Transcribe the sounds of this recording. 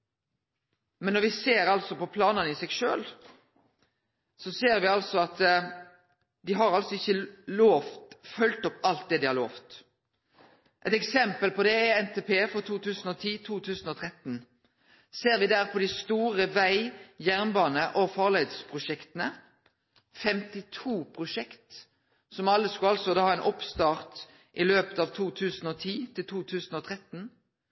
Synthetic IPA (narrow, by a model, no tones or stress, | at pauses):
mɛnːɔʁʋɪseːɾɑlsɔpɔpʰlɑːnɑnəɪsɛɡʃøːl | sɔseːʁʋɪɑlsɔɑt̪ | d̪ɪɦɑɾɑlsɔɪçːəloːft̪fœlt̪ɔpːɑlt̪̚d̪ɛd̪ɪhɑʁloːft̪ | ʔɛt̪ɛksɛmpəlpɔd̪ɛɛnt̪ʰeːpʰeːfɔt̪ʰuːt̪ʉːsn̩ɔt̪ʰiːt̪ʰuːt̪ʰʉːsənɔt̪ʰʁɛt̪n̩ | seːʁʋɪd̪æʁpʰɔd̪ɪst̪uːʁəʋæɪjæʁnbɑːnəʔɔfɑʁleːd̪spʰʁʊʃɛkt̪ənə | fɛmt̪ɪt̪ʰuːpʰʁʊʃɛkt̪ | sɔmɑlːəskʉɑlsɔd̪ɑːɑɛɪnʔɔpst̪ɑːʁt̪ | ʔɪløːpə̥t̪ɑːʋt̪ʰuːt̪ʰʉːsn̩oːt̪ʰiːt̪ʰɪlt̪ʰuːt̪ʰʉːsn̩ɔːt̪ʰʁɛt̪n̩